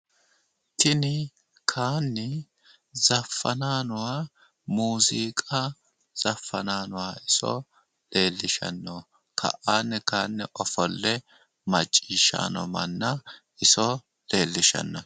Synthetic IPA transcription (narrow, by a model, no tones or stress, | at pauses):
t̪ɪnɪ | kʰaːnːɛ | zɐfːɐnaːnʊwaː | muːziːkʼɐ | z̥ɐfːɐnaːnʊwaːɪsɔ̰ | le̞ːlːɪʃɐ̰nːɔ | kʰɐ̰ʔaːnːɛkaːnːɛʔɔfɔlːɛ | mɐt͡ʃʼːiːʃːa̰ːnɔ̰mɐnːɐʔɪsɔ | le̞ːlːɪʃɐ̰nːɔ